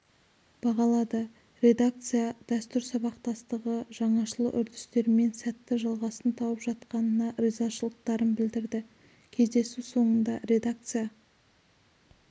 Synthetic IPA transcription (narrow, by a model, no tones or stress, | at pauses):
b̥ɑʁɑlˠɑd̪ə | ɾe̞d̪ak̚t̪sɨjad̪̥æst̪ʏɾsɑβɑqt̪ɑst̪əʁəʒɑɴɑʃəlˠəʔʏɾd̪ɪst̪e̞ɾɪme̞nsæt̪ːɪʒɑlˠʁɑsənt̪ʰɑwəpʒɑt̪qɑnənɑrizaʃəlˠəq̚t̪ɑɾənbɪld̪ɪɾd̪ɪ | kʲʰe̞zd̪e̞suso̞ɴənd̪ɑɾe̞d̪ak̚t̪sɨja